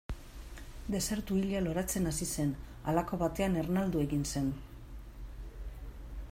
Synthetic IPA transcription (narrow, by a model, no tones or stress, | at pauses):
d̪e̞se̞ɾt̪uiʎalo̞ɾat͡se̞nasise̞n | a̰lako̞βat̪e̞ane̞rnald̪ue̞ɣinse̞n